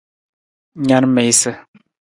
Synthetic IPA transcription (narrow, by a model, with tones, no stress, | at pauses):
ɲa˦nmɛ˨jsə˦˨